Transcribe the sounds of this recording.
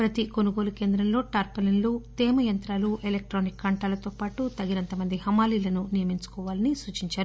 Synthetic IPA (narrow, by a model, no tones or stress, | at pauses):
pɾɐt̪iko̞nuɡo̞ːluke̞ːnd̪ɾɐmlo̞ːʈaːɾpɐlɐnlut̪ɛːmɐjɐnt̪ɾaːluʔelek̚ʈɾoːnikɡɐɳʈaːlɐt̪o̞ːpaːʈut̪ɐɡinɐnt̪ɐmɐnd̪ihɐmaːliːlɐnunijɐmiɲt͡ʃu̥kɔːʋaːlɐnisuːt͡ʃiɲt͡ʃaːɾuu